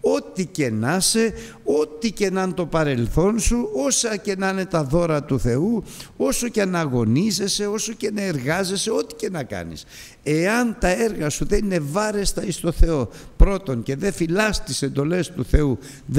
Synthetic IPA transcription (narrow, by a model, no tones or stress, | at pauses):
o̞t̪ice̞nɐse̞o̞t̪ice̞nɐnt̪o̞pɐɾe̞lθo̞nsuo̞sɐce̞nɐne̞t̪ɐðo̞ɾɐt̪uθe̞uoso̞ceɐnɐɣo̞nize̞se̞o̞so̞ce̞nɐe̞ɾɣɐze̞se̞o̞t̪i̥ce̞nɐkɐ̰nḭs | e̞ɐnt̪ɐe̞ɾɣɐsuðe̞nine̞vɐɾe̞st̪ɐist̪o̞θe̞o̞pɾo̞t̪o̞ŋce̞ðe̞filɐst̪ise̞nd̪o̞le̞st̪uθe̞u | ð